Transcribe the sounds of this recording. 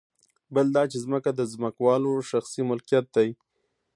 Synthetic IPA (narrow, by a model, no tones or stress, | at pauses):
bəld̪ɑt͡ʃezməkad̪əzməkwɑloʃaxsimʊlkijat̪̚d̪aji